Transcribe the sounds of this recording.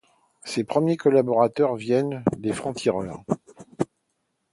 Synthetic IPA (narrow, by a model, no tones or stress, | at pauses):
sepχəmjekɔlabɔʁat̪œʁvjɛnd̪efχɑ̃t̪ʰiʁœʁ